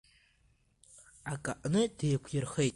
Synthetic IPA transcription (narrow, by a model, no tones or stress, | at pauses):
akʼaʔʼnɨd̥ejkʷʰjɪrχejtʼ